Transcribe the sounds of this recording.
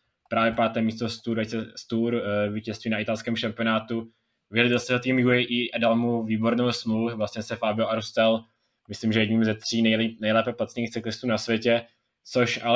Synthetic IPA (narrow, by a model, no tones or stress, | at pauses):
pɾaːvjɛpaːt̪ɛːmiːst̪ost̪uːɾɛɛst̪uːɾviːcɛst̪viːnaʔɪt̪alskɛːmʃampɪonaːt̪u | vɪlɪdost̪ɛɦɛt̪iːmjuɛjʔiʔadalmuviːboɾnowsmluuvlasɲɛsɛfaːbɪoʔaɾust̪ɛl | mɪslimʒɛjɛɟɲiːmzɛt̪r̝̥iːnɛnɛjlɛːpɛplat͡sniːxt͡sɪklɪst̪uːnasvʲjɛcɛ | t͡soʃʔa